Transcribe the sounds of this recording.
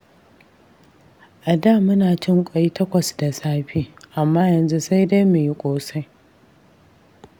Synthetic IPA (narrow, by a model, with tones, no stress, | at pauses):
ʔa˨daː˦˨mʊ˦naː˨t͡ʃɪ˦ŋkʷʼɐ˨ji˦tɐ˦kʷɐ˨sda˨saː˦ɸiː˦ʔa˨mːaː˦jɐ˨nzu˦sa˦jda˦jmu˨ji˦kʷʼoː˦sa˦j